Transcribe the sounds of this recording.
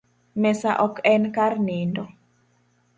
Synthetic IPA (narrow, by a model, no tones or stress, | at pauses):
mɛsaʔɔkɛnkarnɪndɔ